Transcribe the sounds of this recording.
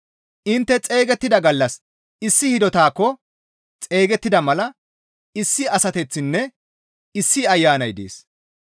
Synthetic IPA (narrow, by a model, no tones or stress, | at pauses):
ʔɪnt̪ːɛt͡sʼe̞ːɡɛt̪ːɪd̪ɐɡɐlːɐs | ɪsːɪhɪd̪ɔt̪aːkːɔ | t͡sʼe̞ːɡɛt̪ːɪd̪ɐmɐlɐ | ɪsːɪɐsɐt̪ɛt͡sːɪnːɛ | ɪsːɪɐjːaːnɐjd̪ḛːs